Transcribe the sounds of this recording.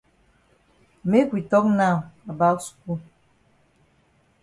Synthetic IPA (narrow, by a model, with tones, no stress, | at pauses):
me˦kwi˨tɔ˦k̚na˦˨a˨ba˦ksu̥˨ku˦˨